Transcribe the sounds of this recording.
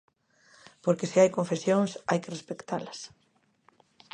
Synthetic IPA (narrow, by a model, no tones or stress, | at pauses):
poɾkesiajkõɱfesjoŋsajkerespekt̪alɐs